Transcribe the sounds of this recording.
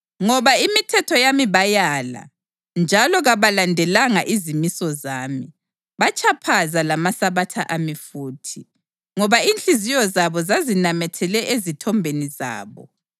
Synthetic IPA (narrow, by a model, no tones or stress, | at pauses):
ŋɔβaimitʰɛtʰɔjamiβajala̰ | nd͡ʒʱalɔɣaβalandʱɛlaŋaʔizimisɔzaːmi | βat͡ʃʰapʰazalamasaβatʰaʔamifuːtʰi | ŋɔβaint͡ɬizijɔzaβɔzazinamɛtʰɛlɛʔezitʰɔmbʱeniza̰ːβɔ̰